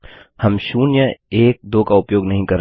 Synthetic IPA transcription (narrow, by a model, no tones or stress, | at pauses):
hɐmʃuːnjəeːk̚d̪oːkaʊpjoːɡnɐɦĩkɐɾ